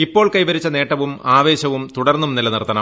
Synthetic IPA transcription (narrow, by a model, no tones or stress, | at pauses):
ipːo̞ːɭkɐjʋɐɾit͡ɕːɐne̞ːʈːɐʋumaːʋe̞ːɕɐʋumt̪uɽɐrnːumnilɐnirt̪ːɐnɐ